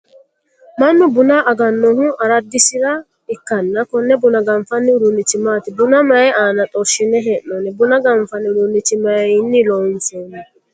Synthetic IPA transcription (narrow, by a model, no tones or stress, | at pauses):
mɐmːɛbʊnaʔɐɡɐnːɔnʊʔɐɾɐd̪ːɪsɪɾɐ | ɪkːɐnːɐkɔnːɛbʊnɐɡɐmfɐnːɪʊɾʊnːɪt̪ɪmaːt̪ɪbʊnɐmɐjaːnɐt̪ʼɔʃɪnɛɦɛnːɔnɛbʊnɐɡɐɱfɐnːɪʊɾʊnːɪt̪ɪmɐjnːɪlɔnsonɛ